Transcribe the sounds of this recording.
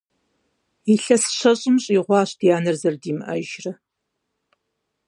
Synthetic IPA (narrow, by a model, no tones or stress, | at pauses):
iɬɐsɨ̥ɕɐɕʼɪmɕʼiːʁʷɑːɕd̥ijaːnɨrzɐrdiːmʔɐ̰ʒrɐ